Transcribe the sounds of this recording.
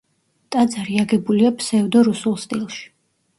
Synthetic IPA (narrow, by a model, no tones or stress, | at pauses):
t̪ʼad̪zaɾiaɡɛbuliapʰsɛvd̪ɔɾusulˠst̪ʼilˠʃi̥